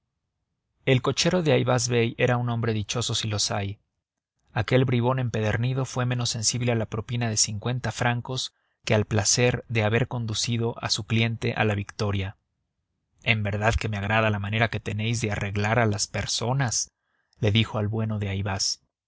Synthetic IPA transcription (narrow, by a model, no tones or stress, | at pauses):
e̞lko̞t͡ʃe̞ɾo̞ðeajβazβe̞je̞ɾaunõ̞mbɾe̞ðit͡ʃo̞so̞silo̞saj | ake̞lβɾiβo̞ne̞mpe̞ðe̞ɾniðo̞fwe̞me̞no̞se̞nsiβle̞alapɾo̞pinaðe̞siŋkwe̞nt̪afɾaŋko̞s | kealplase̞ɾðe̞aβe̞ɾko̞nd̪usiðo̞ʔa̰suklje̞nt̪e̞̰ʔa̰laβikt̪o̞ɾja | e̞mbe̞ɾðaðke̞meaɣ̞ɾaðalamãne̞ɾake̞t̪e̞ne̞jzðe̞are̞ɣlaɾalaspe̞ɾso̞nas | le̞ðixo̞alβwe̞no̞ðe̞ajβas